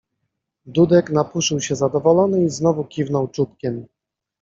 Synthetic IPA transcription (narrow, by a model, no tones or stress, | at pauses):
d̪ud̪ɛknapuʂɘwɕɛzad̪ɔvɔlɔnɘiznɔvukʲivnɔwt͡ʂup̪kʲɛm